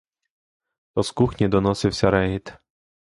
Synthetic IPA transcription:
t̪ɔskuxnʲid̪ɔnɔsɪwsʲɐɾɛɦit̪

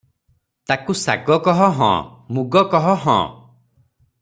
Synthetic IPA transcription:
t̪akusa̰ɡɔkɔɦɔɦɔ̰̃muɡɔkɔɦɔɦɔ̰̃

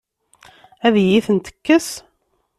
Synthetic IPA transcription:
æðjiθənt̪ə̥kːəs

